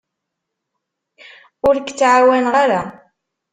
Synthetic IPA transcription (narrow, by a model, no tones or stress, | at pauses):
ʊɾkt͡sːʕawænʁaɾa